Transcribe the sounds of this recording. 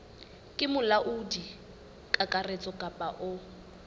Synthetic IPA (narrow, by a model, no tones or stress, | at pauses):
kʼɪmʊlaʔʊdi | kʼakʼaret͡sʼɔkʼapʼaʔʊ